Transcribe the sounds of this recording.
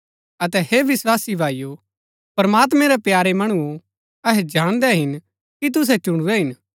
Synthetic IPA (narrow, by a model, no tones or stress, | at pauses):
ɐt̪ɛheːʋɪswaːsibʱaːijo | pɾmaːt̪̬mɛ̃ɾɛpjaːɾemɐɽ̃uo | ɐɦɛd͡ʒaːɽ̃d̪ɛɦɪn | kit̪̬ʊs̬ɛt͡ʃʊɽ̃uɾɛɦɪn